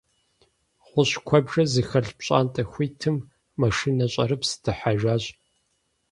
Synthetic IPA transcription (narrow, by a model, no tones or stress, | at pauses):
ʁʷʊɕkʷʰɔbʒɐzɨxɐɮpɕʼa̰ːntʼɐxʷiːtʰɨmː | ɐʂinɐɕʼɐ̰ɾɨpsɨ̥tʰɨħaʒaːɕʼ